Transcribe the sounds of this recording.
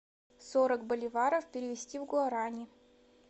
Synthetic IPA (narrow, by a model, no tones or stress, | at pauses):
soɾəkbəlʲɪvaɾəfpʲɪɾʲɪvʲɪsʲtʲivɡʊɐɾanʲɪ